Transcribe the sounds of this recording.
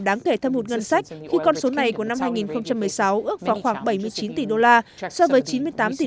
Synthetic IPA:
ɗaː˨˦ŋke˧˩t̪ʰə˧mo˨˩t̚ŋə˧nsa˦˥jk̟̚xi˧kɔ˧nso˨˦na˨˩jku˧˩əna˧mɦaː˧jŋi˨˩nxə˧wŋ͡mt͡ɕa˧mːɨ˨˩əjsa˨˦wʔɨ˦˥ək̚vaː˨˩xwaː˧˩ŋɓə˧˩jmɨ˧əjt͡ɕi˨˦nt̪i˧˩ɗo˧laː˧ | sɔ˧vəː˨˦jt͡ɕi˨˦nmɨ˧əjt̪aː˨˦mt̪i˧˨

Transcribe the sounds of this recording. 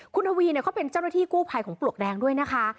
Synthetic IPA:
kʰu˧nʔʰa˧wiː˧ni˥˩kɔː˦˥˩pe˧nt͡ɕaː˥˩wna˥t̪ʰiː˥˩kuː˥˩pʰa˧jkʰɔː˩˦ŋplu˨˩ək̚dɛː˧ŋdu˥˩əjna˦˥kʰa˦˥

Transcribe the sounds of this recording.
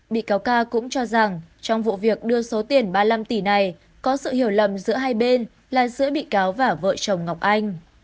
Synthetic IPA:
ɓḭ˧˨kaː˨˦wkaː˧kʊ̰˧˥ŋ͡mt͡ɕɔ˧za˨˩ŋt͡ɕɔ˧wŋ͡mvṵ˧˨vi˨˩ək̚ɗɨ˧əso˨˦t̪i˨˩ənɓaː˧la˧mt̪i˧˩na˨˩j | kɔ˨˦sɨ̰˧˨hi˧˩əwlə̰˧˨mzɨ̰˧˥əɦaː˧jɓe˧n | laː˨˩zɨ̰˧˥əɓḭ˧˨kaː˨˦wvaː˨˩və̰ː˧˨t͡ɕə˨˩wŋ͡mŋa˨˩wk͡p̚ʔa˧jŋ̟

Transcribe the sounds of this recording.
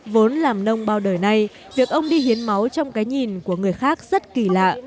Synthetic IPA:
vo˨˦nlaː˨˩mnə˧wŋ͡mɓaː˧wɗəː˨˩jna˧j | vi˨˩ək̚ʔə˧wŋ͡mɗi˧hi˨˦ənma˨˦wt͡ɕɔ˧wŋ͡mkaː˨˦jɲi˨˩nku˧˩əŋɨ˨˩əjxaː˦˥k̚z̥ə˦˥t̚ki˧˩la̰ː˧˨

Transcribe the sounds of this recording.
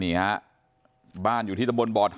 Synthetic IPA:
i˩˦ɐ˦˥ | baː˥˩njuː˨˩iː˥˩t̪a˦mbo˧nbɔː˨˩t̪̚h

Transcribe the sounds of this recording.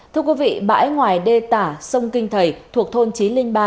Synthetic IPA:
t̪ʰɨ˧əkwi˨˦vḭ˧˨ɓa̰ː˧˥jŋwaː˨˩jɗe˧t̪aː˧˩sə˧wŋ͡mkï˧ŋ̟t̪ʰə˨˧˩jt̪ʰu˨˩ək̚t̪ʰo˧nt͡ɕi˨˦li˧ŋɓaː˧

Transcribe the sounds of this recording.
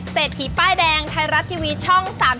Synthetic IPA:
seː˨˩t̪ʰːiː˨˩˦paː˥˩jdɛː˧ŋt̪ʰa˧jɾa˦˥t̪ʰːiː˧wiː˦˧˥t̪̚t͡ɕʰɔ˥˩ŋsaː˩˦m

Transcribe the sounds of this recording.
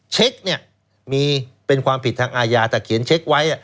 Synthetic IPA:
t͡ɕʰe˦˥k̚ni˥˩ə | miː˧pe˧nkʰwaː˧mpʰi˨˩t̪ʰːa˧ŋʔaː˧jaː˧t̪ɛː˨˩kʰi˩˦ənt͡ɕʰe˦˥k̚wa˦˥jʔa˨˩

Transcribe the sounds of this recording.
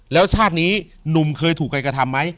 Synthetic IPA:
lɛː˦˥wt͡ɕʰaː˥˩t̪̚niː˦˥ | nu˨˩mkʰɤː˧jt̪ʰuː˨˩kːa˧jkɾa˧t̪ʰa˧mːa˦˥j

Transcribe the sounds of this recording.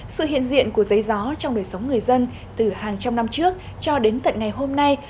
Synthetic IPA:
sɨ̰˧˨hḭ˧˨ənzḭ˧˨ənku˧˩əzə˨˦jzɔ˨˦t͡ɕɔ˧wŋ͡mɗəː˨˩jsə˨˦wŋ͡mŋɨ˨˩əjzə˧n | t̪ɨ˨˩haː˨˩ŋt͡ɕa˧mna˧mt͡ɕɨ˦˥ək̚ | t͡ɕɔ˧ɗe˨˦nt̪ə̰˨˩nŋa˨˩jɦo˧mna˧j

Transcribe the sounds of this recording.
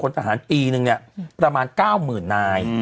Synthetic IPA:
kʰo˧nt̪ʰa˧ɦaː˩˦npiː˧nɯ˨˧ŋni˥˩pɾa˧maː˧nkaː˥˩wmɯː˨˩nːaː˧j

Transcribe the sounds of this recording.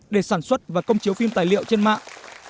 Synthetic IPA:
ɗe˧˩saː˧˩nswə˦˥t̚vaː˨˩kə˧wŋ͡mt͡ɕi˨˦wfi˧mt̪aː˨˩jlḭ˧˨əwt͡ɕe˧nma̰ː˧˨ʔ

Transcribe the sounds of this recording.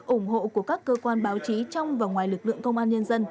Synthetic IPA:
ʔʊ˧˩ŋ͡mho̰˧˨ku˧˩əkaː˦˥kːəː˧kwaː˧nɓaː˨˦wt͡ɕi˨˦t͡ɕɔ˧wŋ͡mvaː˨˩ŋwaː˨˩jlɨ˨˩k̚lɨ̰˧˨əŋkə˧wŋ͡mʔaː˧nɲə˧nzə˧n

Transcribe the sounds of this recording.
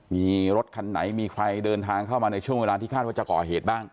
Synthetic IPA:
miː˧ɾo˦˥t̪̚kʰa˧nːa̰˩˦jmiː˧kʰɾa˧jdɤː˧nt̪ʰaː˧ŋkʰa˥˩wmaː˧na˧jt͡ɕʰu˥˩əŋweː˧laː˧t̪ʰiː˥˩kʰaː˥˩t̪̚waː˥˩t͡ɕa˨˩kɔ̰ː˨˩ɦeː˨˩t̪̚baː˥˩ŋ

